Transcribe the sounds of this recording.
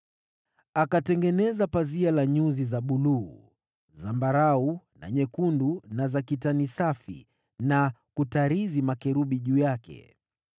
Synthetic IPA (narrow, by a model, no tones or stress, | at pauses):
akatɛŋɡɛnɛzapazialaɲuzizaɓuluː | zambaɾau | na̰ɲɛkundunazakitanisafḭ | nakutaɾizimakɛɾuɓiʄuːjakɛ̰